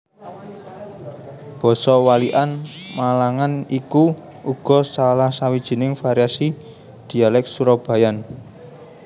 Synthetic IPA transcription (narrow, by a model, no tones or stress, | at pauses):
b̥ɔ̤sɔwaliʔanmalaŋaniku | uɡ̥ɔ̤salahsawid̥ʒ̥i̤nɪŋfaɾjasi | d̪̥i̤alɛk̚suɾɔb̥a̤jan